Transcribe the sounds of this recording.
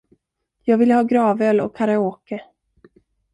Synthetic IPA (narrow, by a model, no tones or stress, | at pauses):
jɑːɡvɪlhɑːɡɾɑːvœlɔ̰kʰːaɾɛoːkə